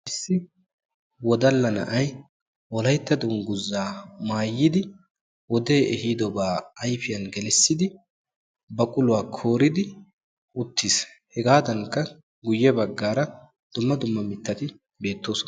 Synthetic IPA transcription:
ʔɪsːɪ | wɔd̪ɐlːɐnɐ̰ʔɐj | wɔlɐjt̪ːɐd̪ʊŋɡʊzːaːmaːjːɪd̪ɪ | wɔd̪e̞ːʔɛhiːd̪ɔbaːjfɪjɐnɡɛlɛsːɪd̪ɪ | bɐkʼʊlʊwaːkʰo̞ːɾɪd̪ɪ | ʊt̪ʰːis | hɛɡaːd̪ɐŋkːɐ | ɡʊjːɛbɐɡːaːɾɐ | d̪̥ʊmːɐd̪ʊmːɐmɪt̪ːɐt̪ɪ | be̞ːt̪ːo̞ːsɔ

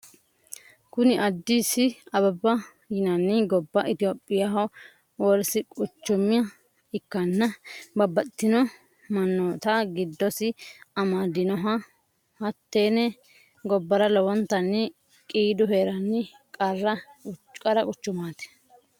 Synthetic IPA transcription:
kʊnɪʔɐd̪ːiːsɪɐbɐbːɐ | jɪnɐnːɪɡɔbːɐʔɪt̪ɪjoːpʼːɪjaɦɐ | wɔlsɪkʼʊt͡ʃːʊmɪjɐ | ɪkːɐnːɐbɐbːɐt̪ːɪnɔ | mɐnːot̪aɡɪd̪ːɔsɪɐmaːd̪ɪnɔɦɐ | hɐt̪ːeːnɛ | ɡɔbːɐɾɐlɔwɔnt̪ːɐnːɪ | kʼiːd̪ʊɦeːɾɐnːɪ | kʼɐrːɐkʼɐɾɐkʼʊt͡ʃːʊmaːt̪ɛ̥

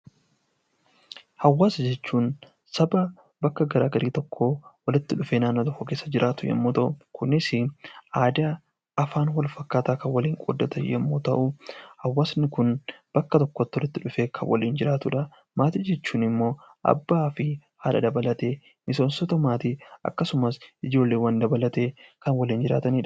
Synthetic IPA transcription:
hɐwːaːsɐd͡ʒɛt͡ʃːuːn | sɐbɐ | bɐkːɐɡɐɾa̰ːɡɐɾiːt̪ɔkʰːoːwɐlɪt̪ːɪᶑʊfe̞ːnaːnːoːt̪ɐfokeːsːɐd͡ʒɪɾʔaːt̪ʊjɛ̰mːoːt̪ɐʔʊkʊnːɪsɪʔaːd̪a | ɐfaːnwɐlfɐkːaːt̪aːkɐwɐliːŋkʼɔ̰d̪ːɐt̪ɐjɛ̰mːoːt̪ɐʔʊhɐwːaːsnɪkʊnb̥ɐkːɐt̪ɔkːot̪ːwɔlɪt̪ːɪᶑʊfeːkʰɐnwɐ̰liːnd͡ʒɪɾaːt̪ʊᶑɐ | maːt̪id͡ʒɛt͡ʃːuːnɪmːo̞ː | ʔɐ̰bːaːfɪhaːᶑɐ̰d̪ɐbɐlɐt̪eː | mɪso̞ːnsɔt̪ɐmaːt̪iʔɐ̰kːɐsʊmɐsɪd͡ʒo̞ːlːeːwɐnd̪ɐbɐlɐt̪e̞ːkɐnwɐliːnd͡ʒɪɾa̰ːt̪ɐniːᶑɐ

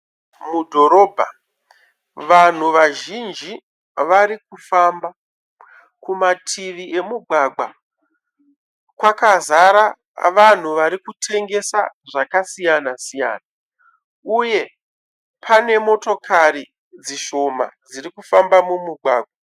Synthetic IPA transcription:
mudʱo̞ɾo̞ːbʱa̰ | ʋan̤uʋaʒind͡ʒi | ʋaɾik̚ufamba | kumatʰiʋiʔe̞muɡʱwaɡa | kwakazaɾa | ʋan̤uʋaɾikutʰe̞ŋɡe̞sa̰ʐakasijanasija̰ːna | uje̞ | pʰane̞mo̞to̞kʰaɾi | d͡ziʃo̞ma̰d͡zirikufambamumuɡʱaːɡʱa

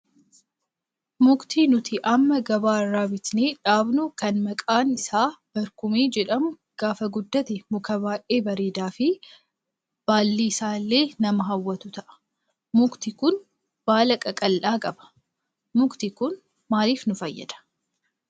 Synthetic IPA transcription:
mʊkt̪iːnʊt̪ɪʔɐmːɐɡɐbaːrːaːbɪt̪neːᶑaːbnʊkɐnmɐkʼaːnɪsaːb̥ɐɾkʊmeːd͡ʒɛᶑɐmʊ | ɡ̥aːfɐɡʊd̪ːɐt̪ɪmʊkɐbaːʔʔeːbɐɾeːd̪aːfɪ | b̥aːlːiːɪsaːlːe̞ːnɐmɐɦɐwːɐt̪ʊt̪ɐʔɐ̥ | mʊkt̪ɪkʊn | b̥aːlɐkʼɐkʼɐlʔaːkʼɐbɐ̥ | mʊkt̪ɪkʊn | maːliːfnʊfɐjːɐ̰d̪̥ɐ̥

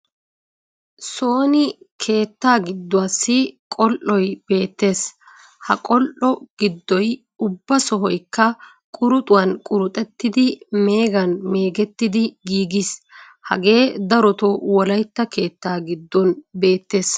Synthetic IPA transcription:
soːnɪ | kʰe̞ːt̪ːaːɡɪd̪ːɔɐsːɪkʼɔlʔɔjb̥e̞ːt̪ːe̞ːs | hɐ̰kʼɔlʔɔɡ̥ɪd̪ːɔj | ʊbːɐsɔɦɔjkːɐ | kʼʊɾʊt̪ʼʊwɐnkʼʊɾʊt̪ʼɛt̪ːɪd̪ɪme̞ːɡɐnme̞ːɡɛt̪ːɪd̪ɪɡiːɡis | hɐ̰ɡe̞ːd̪ɐɾɔt̪ɔwɔlɐjt̪ːɐke̞ːt̪ːaːɡɪd̪ːɔnbe̞ːt̪ːe̞ːs

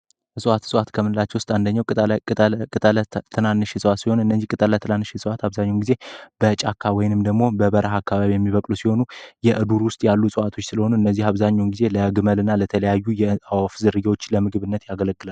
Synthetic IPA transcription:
ɨsʼwat̪swat̪kʰəmɨnɨlat͡ʃːɛwʊst̪ʼand̪əɲːaw̪ʼ | t̪ʼt̪ʰːɨnanːɨʃɛsʼəwat̪siho̞nɨnːəzːihkʼɨt̪ʼəlːat̪ʰɨnanːɨʃɛsʼəwat̪aβzaɲːawnɡize̞b̥ət͡ʃʼakʰːawɔjɪnɨmd̪əɡmo̞bəbəɾaɦakʰːaβaβijɛmːiβəkʼlusiho̞nujɛʔɨd̪uɾwʊst̪ʼjalːusʼɨwat̪ʰo̞t͡ʃːsɨləho̞nuɨnːəzːihaβzaɲːawnɡize̞ləɡɨməlɨnːalət̪ʰələjajːujɛawafzɨɾɨɡwo̞t͡ʃːləmɨɡɨβɨnːət̪jaɡələkʼːɨlal

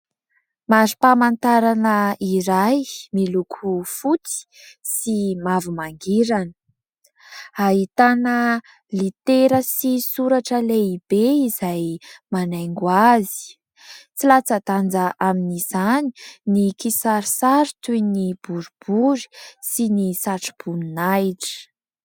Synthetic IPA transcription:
mazipamant̪aɾanəiɾajmilukʰufut͡si̥ | simavumaŋɡiɾanə | aɦit̪anə | lit̪eɾəsisuɾaʈ͡ʂəleib̥eizajmanajŋɡwazi̥ | t͡silat͡sat̪and͡zaʔaminiz̥ani̥nikisaɾisaɾt̪ujnib̥uɾub̥uɾi̥sinisaʈ͡ʂi̥b̥uninajʈ͡ʂə̥

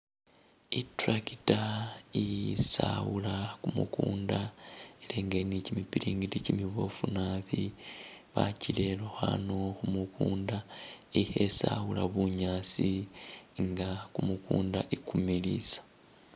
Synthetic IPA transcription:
ituɾakitaijsa̰wulakumukuːndaeleːŋɡenicimipiɾiːŋɡiticimiβo̞funaβi | βa̰cile̞luxa̰noxumukuːnda | ehe̞sawulaβuɲaːsi | ŋɡakumukuːndaʔikumilḭsḁ

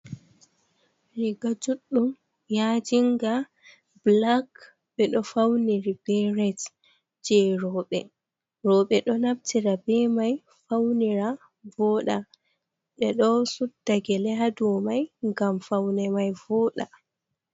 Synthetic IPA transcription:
ɾiɡad͡ʒuɗːum | jad͡ʒiŋɡa | blak | ɓɛɗɔfawniɾib̥ɛɾɛt | d͡ʒɛɾɔɓɛ | ɾɔɓɛɗɔnab̚tiɾabɛmaj | fawniɾa | vɔɗa | ɓɛɗɔsudːaɡɛlɛɦadɔmajŋɡamfawnɛmajvɔɗa

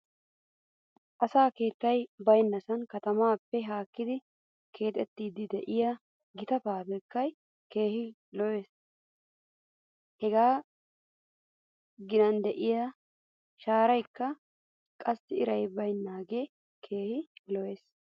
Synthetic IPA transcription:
ʔɐsaːke̞ːt̪ːɐjbɐjnːɐsɐnkɐt̪ɐmaːpːɛɦaːkːɪd̪ɪ | kʰe̞ːt̪ʼɛt̪ːiːd̪ɪd̪ɛʔɪjɐ | ɡɪt̪ɐpaːbɛkːɐj | ke̞ːhɪ | lɔweːs | hɛɡaː | ɡɪnɐnd̪ɛʔɪjɐ | ʃaːɾɐjkːɐ | kʼɐsːɪɪɾɐjbɐjnːaːɡe̞ | kʰe̞ːhɪlɔjeːs

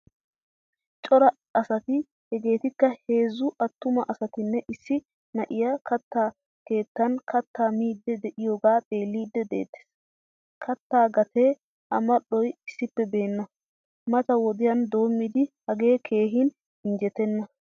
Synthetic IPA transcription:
t͡ʃʼɔɾɐ | ɐsɐt̪ɪ | hɛɡe̞ːt̪ɪkːɐhe̞ːzːʊʔɐt̪ːʊmɐʔɐsɐt̪ɪnːɛʔɪsːɪ | nɐʔɪjakɐt̪ːaː | ke̞ːt̪ːɐnkʰɐt̪ːaːmiːd̪ːɛd̪ɛʔɪjoːɡaːt̪ʼe̞ːlːiːd̪ːɛd̪e̞̰ːt̪ːe̥ːs | kʰɐt̪ːaːɡɐt̪ʰeː | ɐmɐɗɔjɪsːɪpːɛbe̞ːnːɐ | mɐt̪ɐwɔd̪ɪjɐnd̪o̞ːmːɪd̪ɪhɐɡe̞ːkʰe̞ːɦɪn | ɪnd͡ʒɛt̪ɛnːɐ

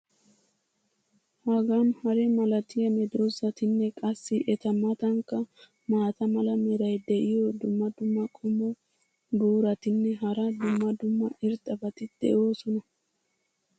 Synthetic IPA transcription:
hɐɡanhɐɾɛmɐlɐt̪ɪjɐmɛd̪ɾozɐt̪ɪnːɛkʼɐsːɪʔɛt̪ɐmːɐt̪ɐŋkːɐ | maːt̪ɐmɐlɐmɛɾɐjd̪ɛʔɪjɔd̪ʊmːɐd̪ʊmːɐkʼʊmɔ | buːɾɐt̪ɪnːɛɦɐɾɐd̪ʊmːɐd̪ʊmːɐʔɪɾt̪ʼːɐbɐt̪ɪd̪̥ɛ̰ʔo̞ːsɔnɐ

